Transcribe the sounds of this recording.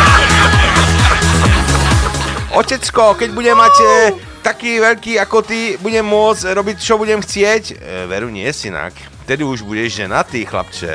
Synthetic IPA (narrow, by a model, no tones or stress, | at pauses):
ʔɔcɛt͡skɔkɛɟbuɟɛmːac | t̪akiːʋɛʎkiːakɔt̪ibuɟɛmːʊɔd͡zɾɔbict͡ʃɔbuɟɛmxt͡sɪɛcʋɛɾuɲɪɛsina̰k | t̪ɛd̪iuʒbuɟɛʒʒɛnat̪iːxla̰pt͡ʃɛ̰